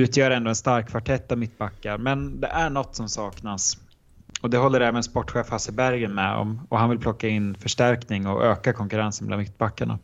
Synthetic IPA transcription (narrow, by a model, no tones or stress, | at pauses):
ʉ̟ːt̪ʰjœːɾɛnd̪oːɛnst̪aɾkʰːvaʈʰɛt̪ːavmɪt̪ːbakːaɾmɛnd̪ɛʔæɳɔt̪ːsɔmsɑːknas | ɔd̪ɛɦɔlːəɾɛːvənspɔʈːɧeːfhasəbæɾɡənmɛɔ̰mɔɦanvɪlpʰlɔkːaɪnːfœʂʈæɾknɪŋɔʔøːkakʰɔŋkɵɾansənmɛla̰nmɪt̪̚ːbakːaɳa̰